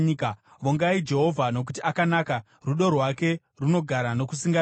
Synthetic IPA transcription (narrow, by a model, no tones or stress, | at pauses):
k | ʋoŋɡaid͡ʒe̞ɦo̞vʱano̞k̬utiakanaka | ruɗo̞rwake̞ | runo̞ɡʱaɾano̞kusiŋɡa